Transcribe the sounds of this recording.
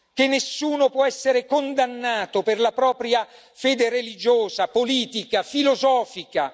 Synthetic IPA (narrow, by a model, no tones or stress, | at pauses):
k̟enːesːuːnopwɔɛsːeɾekond̪anːaːt̪operlapɾɔːpɾja | feːd̪erelid͡ʒoːzapoliːt̪ikafilozɔːfika